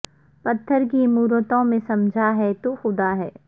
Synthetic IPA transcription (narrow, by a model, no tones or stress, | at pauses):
pɐt̪ʰːəɾkimuːɾət̪õmẽsɐmd͡ʒʱaɦɛt̪oxʊd̪aɦɛː